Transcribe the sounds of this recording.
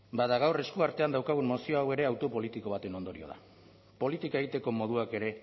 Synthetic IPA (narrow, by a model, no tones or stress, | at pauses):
baðaɣ̞awreskuaɾt̪e̞and̪awkaɣ̞unmo̞sio̞awe̞ɾe̞awt̪o̞po̞lit̪iko̞β̞at̪e̞no̞nd̪o̞ɾḭo̞̰ð̞a̰ | po̞lit̪ikaeɣit̪e̞ko̞mo̞ðuake̞ɾe̞